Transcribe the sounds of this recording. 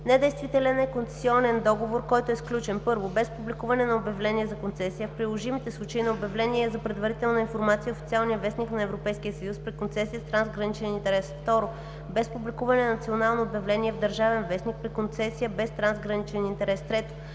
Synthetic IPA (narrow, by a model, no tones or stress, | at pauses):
nɛd̪ɛjst̪vit̪ɛlʲɛnɛkont̪sɛ̥siɔnɛnd̪ɔɡovoɾkɔjt̪oɛsklʲut͡ʃɛnpɤɾvobɛspublʲikuvɐnɛnɐobjɐvlɛniɛzɐkont̪sɛsijəfpɾilˠoʒimit̪ɛslˠut͡ʃəinɐobjɐvlɛniɛzɐpɾɛd̪vɐɾit̪ɛlˠnəinfoɾmat̪sijəofi̥t̪ʲialˠnijəvɛsniknɐɛvɾopɛjskiəsɐjuspɾikont̪sɛsiəst̪ɾanzɡɾɐnit͡ʃɛnint̪ɛɾɛsft̪ɔɾo | bɛspublikuvɐnɛnnɐt̪sionalˠnoːbʲjɐvlɛniɛvd̪əɾʒavɛnvɛsnik̚pɾikont̪sɛsijəbɛst̪ɾanzɡɾɐnit͡ʃɛnint̪ɛɾɛst̪ɾɛt̪o̥